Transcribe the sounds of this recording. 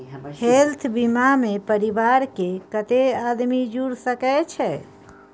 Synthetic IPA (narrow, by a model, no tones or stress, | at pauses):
helt̪ʰbimamepəɾibaɾkekət̪ead̪mid͡ʒuɾsəkɛt͡ʃʰɛ